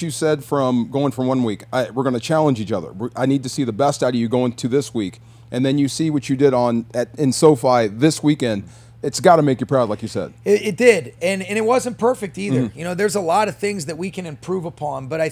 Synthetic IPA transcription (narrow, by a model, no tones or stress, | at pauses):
ʌt͡ʃɨsɛd̥fɹʌ̃mɡoʊɪ̃ŋfɹʌ̃mwʌ̃nwikaɪwəɹɡʌnɨt͡ʃʰælˠə̃nd͡ʒit͡ʃʌðə̰˞wɪʔaɪnid̚tʰɨsiðɨbɛstaɪɾiɨɡoʊɪ̃ŋtʰɨðɪswik | ʔɨ̃nðɨ̃njɨsiwʌt͡ʃɨdɪɾn̩ɨɾɨ̃nsoʊfaɪðɪswikɛ̃nd̥ | ɨtsɡ̥ɑɾɨmeɪkjɨpʰɹ̥aʊdˡlaɪkjɨsɛ̰d̥̚ɪɾɪt̚d̥ɪdɨ̃nɨ̃ñɨt̚wʌzɨ̃npʰɜ˞fɨk̚tiðə˞jɨñoʊðə˞zəlɔɾʌv̥θɪ̃ŋzðɨt̚wikʰɨ̃nɨ̃mpʰɹ̥uvəpʰɑ̃nbʌɾaɪ